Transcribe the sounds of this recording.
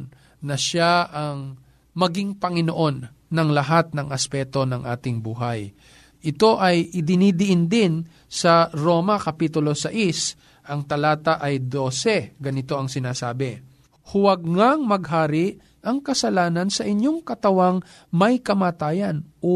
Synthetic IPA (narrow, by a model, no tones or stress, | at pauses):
nɐʃaʔɐŋ | mɐɡiŋpɐŋɪno̞ʔo̞nː | ɐŋlɐɦat̪̚nɐŋʔɐspɛt̪o̞nɐŋʔa̰ːt̪ɪŋbuːɦɐj | ʔɪt̪o̞ʔɐjʔɪd̪ɪnid̪ɪʔɪnd̪ɪn | sɐɾo̞ːmɐkɐpiːt̪ʊlo̞sɐʔis | ʔɐŋt̪ɐlaːt̪ɐʔɐjd̪o̞ːsɛɡɐnɪt̪o̞ʔɐŋsɪnaːsaːbɪ | hʊwɐɡ̚ŋaŋmɐɡ̚ɦaːɾɪʔ | ʔɐŋkɐsɐlaːnɐnsɐʔɪɲjo̞ŋkɐt̪ɐwaŋ | mɐjkɐmaːt̪aːjɐnʔo